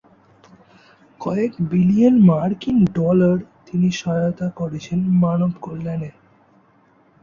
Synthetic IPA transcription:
kɔekbilijonmaɾkiŋɖɔlaɾt̪iniʃɔjot̪akoɾet͡ɕʰenmanobkolːane

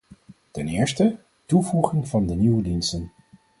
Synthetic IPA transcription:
tɛnɪːɹstə | tuvuχɪŋvɑndəniwədinstən

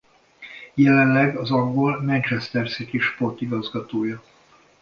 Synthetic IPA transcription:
jɛlɛnlɛɡɒzɒŋɡolmɛnt͡ʃɛst̪ɛrsit̪iʃpo̞rt̪iɡɒzɡɒt̪oːjɒ

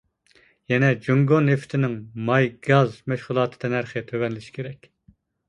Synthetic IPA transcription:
jɛnɛd͡ʒoŋɡonːeft̪ʰɪnɪŋmɑjɡɑzmɛʃʁulˠɑːt̪ʰɨ̥d̪ɛnæɾχɨt̪ʰøwɛnlɪʃi̥kʲʰeɾɛkʲ

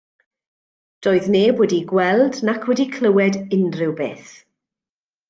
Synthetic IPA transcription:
d̥ɔːɨðneːboːdiɡwɛlˠdnakʰwɛdikʰl̥ˠəwɛdɪndrɪwbḛːθ

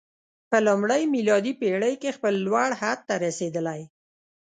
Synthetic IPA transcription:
pəlʊmɽəjmilɑd̪ipeɽəjkexpəlːwaɽhad̪̚t̪ːaɾased̪əlaj

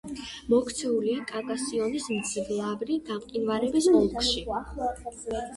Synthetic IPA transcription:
mɔkʰt̪sʰɛuliakʼakʼasiɔnismt̪sʰiɡlˠabɾiɡamqʼinvaɾɛbismulˠkʰʃi

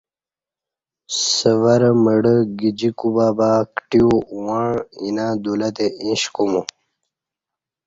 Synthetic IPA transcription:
səvɐɾməɽəɡid͡ʑikubaːbaːkʈiuwaɳinaːd̪ulɐt̪eĩɕkumu

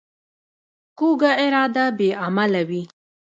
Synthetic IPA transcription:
kuɡaɪɾɑd̪abeamalawi

